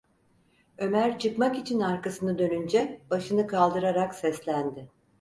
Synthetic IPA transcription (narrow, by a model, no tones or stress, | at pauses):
ø̞mæɾt͡ʃʰɯkmakit͡ʃʰinaɾkasɯnɯd̪ø̞nynd͡ʒɛb̥aʃɯnɯkʰalˠd̪ɯɾaɾaksɛslʲænd̪ɪ